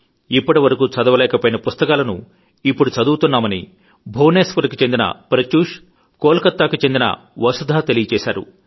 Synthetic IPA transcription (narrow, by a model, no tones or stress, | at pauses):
ipːɐʈiʋɐɾɐkuːt͡ʃɐd̪ɐʋɐlɛːkɐpoːjinɐpust̪ɐkaːlɐnṵ | ipːuɽut͡ʃɐd̪uːt̪unːaːmɐnḭ | bʱoːneːsʋɐɾɐkut͡ʃe̞nd̪inɐ̰pɾɐt͡ʃuːʂ | koːlɐkɐt̪ːaːkut͡ʃe̞nd̪inɐ̰ | ʋɐsud̪ʱaːt̪e̞lijɐt͡ʃɛːsa̰ːɾṵ